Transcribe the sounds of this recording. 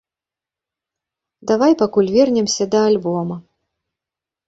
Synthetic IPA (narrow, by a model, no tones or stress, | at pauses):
d̪avajpakulʲvʲɛrnʲɛmsʲɐd̪ɐːlʲbɔmɐ